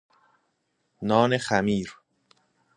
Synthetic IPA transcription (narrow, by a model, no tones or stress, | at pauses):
nɒːne̞xæmiːɾ